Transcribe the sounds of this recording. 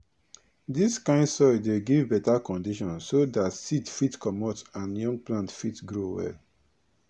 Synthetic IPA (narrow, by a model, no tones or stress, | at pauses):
diskãɪ̃ndsɔɪdeɡivbɛtakɔ̃ndiʃɔ̃nsodatsidfitkʰɔmɔtãnjɔ̃ŋɡ̚plãntfitɡɹowɛ̰l